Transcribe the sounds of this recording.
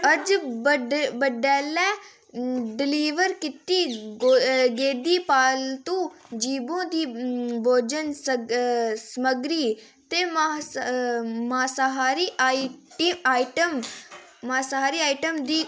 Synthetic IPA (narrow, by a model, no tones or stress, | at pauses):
əd͡ʒəɖbəɖɛːlɛː | ɖɪliːʋəɾkɪt̪iː | ɡeːd̪iːpaːlt̪ũː | d͡ʒiːbõːd̪iːboːd͡ʒəns | səməɡɾiː | t̪eːm | maːsaɦaːɾiːʈiaːiʈəm | maːsaɦaːɾiːaːiʈəmd̪iː